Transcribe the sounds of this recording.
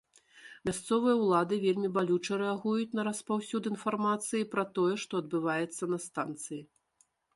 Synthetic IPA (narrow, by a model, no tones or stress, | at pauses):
mʲast̪sɔvɨjɐwlˠad̪ɨvʲelʲmʲibalʲut͡ʂɐɾɛaɣujut͡sʲnɐɾɐspawsʲud̪ɨinfarmat̪sɨjipɾɐt̪ɔjɛʂt̪ɔɐd̪̚bɨvajɛt̪sːɐnɐst̪ant̪sɨji